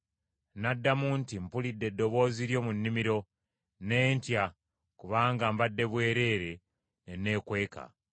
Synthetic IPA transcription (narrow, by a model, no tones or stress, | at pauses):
nadːamuːntimpulidːe̞dːo̞βo̞ːziɾjo̞ːmunːimiɾo̞ | neːntja | kuβaːŋɡambadːe̞βwe̞ːɾe̞ːɾe̞ | nene̞ːkwe̞ːka̰